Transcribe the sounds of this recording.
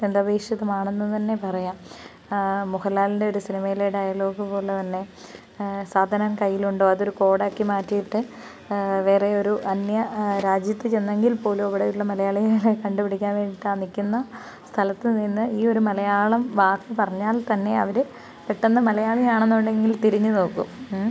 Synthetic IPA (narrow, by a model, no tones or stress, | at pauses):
end̪ɐbeːʂjɐðɐmaːɳenːut̪ɐnːe̞pɐrɐjaːm | muhɐlːaːlinde̞o̞ɾusinimɐjileːɽajɐlo̞ːkːɨpo̞ːɭet̪ɐnːe̞ | saːd̪ʱɐnɐmkɐjːiluɳɖo̞ːɐðo̞ɾuko̞ːɽaːkːimaːtːijiʈːɨ | ʋe̞ːreo̞ɾuʔɐnjɐɾaːd͡ʑjɐt̪ːɨt͡ɕe̞nːe̞ŋɡilpo̞ːlumoʋiɽeuɭːɐmɐlɐjaːɭijailekɐɳɖupiɽikʲːaːnʋe̞ːɳɖiʈːɨanikʲːunːɐ | st̪ʰɐlɐt̪ːɨninːɨiːo̞ɾumɐlɐjaːɭɐmʋaːkːɨpɐrɐɲːaːlt̪ɐnːe̞ɐ̰ʋɐɾɨ | peʈːenːɐmɐlɐjaːɭijaːɳenːuɳɖe̞ŋɡilt̪iɾiɲːuno̞ːkːum